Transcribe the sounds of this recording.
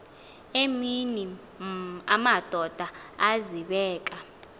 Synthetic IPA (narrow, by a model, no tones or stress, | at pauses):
emini | amad̥ʱɔd̥ʱaaziɓɛːkʼa